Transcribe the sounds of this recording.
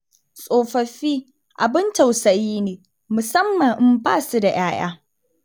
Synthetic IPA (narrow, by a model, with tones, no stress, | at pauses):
sʼoː˨ɸɐ˨ɸiː˦ | ʔa˨bɪ˦ntɐ˨wsɐ˨jiː˦neː˨ | mʊ˨sɐ˦mːɐ˨ŋʔɪ˦mbaː˦˨su˦da˨j̰aː˦j̰a̰ː˦